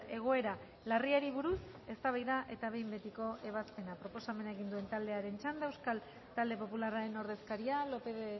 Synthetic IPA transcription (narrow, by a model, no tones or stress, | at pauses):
e̞ɣ̞o̞e̞ɾa | lariaɾiβ̞uɾus | e̞st̪aβajðaʔe̞t̪aβe̞jmbe̞t̪iko̞ʔe̞β̞aspe̞napɾo̞po̞same̞naeɣ̞ind̪ue̞nt̪ald̪e̞aɾe̞nt͡ʃand̪ewskal | t̪ald̪e̞po̞pulaɾaɾe̞no̞ɾðe̞skaɾialo̞peð